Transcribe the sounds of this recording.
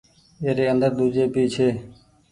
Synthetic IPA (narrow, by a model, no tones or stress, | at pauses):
eːɾeːənd̪əɾd̪uːd͡ʒeːpiːt͡ʃʰeː